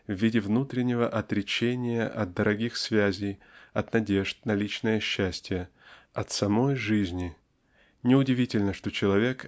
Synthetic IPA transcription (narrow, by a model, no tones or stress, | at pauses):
vːʲidʲɪvnut̪ɾʲɪnʲːɪvəʔɐt̪ɾʲɪt͡ɕenʲɪjəʔɐ̰t̪̚d̪əɾʔɐɡʲixsvʲæzʲɪjɐt̪nɐdʲe̞ʐt̪nɐlʲit͡ɕnəjəɕːæsʲtʲɪjə | ɐt̪sɐmo̞jʐɨzʲnʲɪ | nʲɪʊdʲɪvʲitʲɪlʲnəʂt̪o̞t͡ɕɪlˠɐvʲe̞k